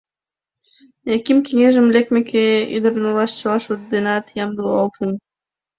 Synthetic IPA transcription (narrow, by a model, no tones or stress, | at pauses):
ækimkeŋeʒə̆mlek̚mekʰeḭd̪ə̆ɾnɤlɑʃt͡ɕɤlˠɑʃut̪̚d̪enɑt̪jɑmd̪oɑlt̪ɤn